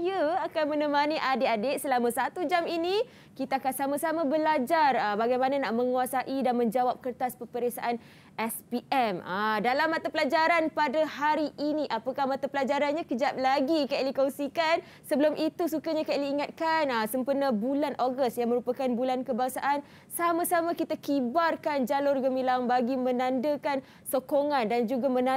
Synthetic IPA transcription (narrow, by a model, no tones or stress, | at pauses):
jəakanmə̃nəmaniʔadeadeʔsəlamãsat̪ud͡ʒamini | kit̪aːkansamãsamãbəlad͡ʒarəbaɡajmananaʔmə̃ŋuasaʔidanmə̃ɲd͡ʒawap̚kərt̪aspəpəɾesaʔan | ʔɛspiʔɛmadalamːat̪apəlad͡ʒaɾanpadahaɾiʔinĩʔapakahmat̪apəlad͡ʒaɾanɲãkəd͡ʒap̚laɡikalikoŋsikan | səbəlʊmʔit̪usukaɲakaliːŋat̪̚kanəsəmpərnabulanʔoɡəstjaŋməɾupakanbulankəbaŋsaʔan | samãsamakit̪akibarkand͡ʒalʊrɡəmilaŋbaɡimə̃nãndəkan | sokoŋandand͡ʒuɡamə̃na